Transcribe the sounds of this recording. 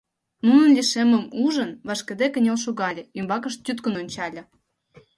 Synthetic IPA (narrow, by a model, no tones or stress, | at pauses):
nunə̆nlʲiʃemə̆muʒə̆nβɑʃkĕd̪ekə̆nʲelʃ̬uɣɑlʲĕymbɑkə̆ʃt̪ʲyt̪kə̆nonʲt͡ɕɑlʲɤ̆